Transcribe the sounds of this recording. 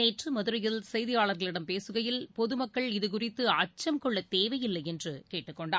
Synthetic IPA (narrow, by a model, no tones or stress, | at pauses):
eːʈrɯmɐðɯɾɐjɪlsɐjðɪjaːɭɐɾɣɐɭɪɽɐmpeːsɯɣɐjɪlpɔðɯmɐkːɐɭɪðɯk̬ʊrɪt̪ːɯɐt͡ʃːɐmkɔɭːɐt̪eːʋɐjɪlːɐjɛndrɯkeːʈːɯkːɔɳɖaː